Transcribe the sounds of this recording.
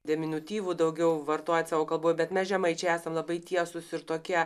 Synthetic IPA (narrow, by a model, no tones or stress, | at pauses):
d̪ʲɛmʲɪnʲut̪ʲiːʋuːd̪ɐʊɡʲɛʊʋɐrt̪oːjt̪ʲsɑːʋoːkɐlˠboːjbʲɛt̪mʲɛsʒʲɛmɐɪt͡ʃʲɛæːsɐmlˠɐbɐɪt̪ʲiɛsʊsɪɾt̪oːkʲiɛ